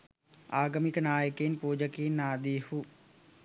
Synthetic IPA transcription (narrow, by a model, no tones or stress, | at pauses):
aːɡəmiknaːjəkeːnpuːd͡ʒəkiːnaːd̪iːhu